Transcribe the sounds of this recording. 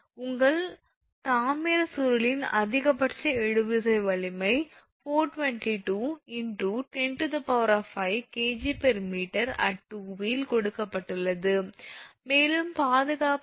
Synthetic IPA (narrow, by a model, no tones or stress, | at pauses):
ʊŋɡɐɭ | t̪aːmɪɾɐsʊɾɯlɪnɐ̰ðɪɣɐpːɐʈt͡ʃɐɛɻɯʋɪðɐɪʋɐɭɪmɐɪ | foːʈʋɐɳʈiʈuːɪɳɖuːʈɛɳʈɯt̪ɐpɐʋɾɐfɐɪkeːd͡ʒipɛɾmiːʈɐɾɐ̰ʈːuːʋilkɔɽɯkːɐpːɐʈːɯɭːɐðɯmeːlɯmpaːðɯɣaːp